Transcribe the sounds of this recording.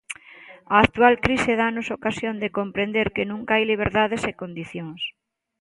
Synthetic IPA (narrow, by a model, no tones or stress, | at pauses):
ɐːk̚t̪ualkɾiseðanosokasjõnd̪ekompɾend̪eɾkenũŋkaajliβ̞eɾðaðesekond̪iθjoŋs